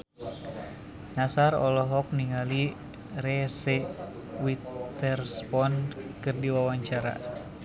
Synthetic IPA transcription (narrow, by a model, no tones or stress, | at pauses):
nasaɾɔ̰lɔɦɔk̚niŋali | rɛsɛ | wit̪ɛrspɔnkɨrdiwawaɲt͡ʃaɾa̰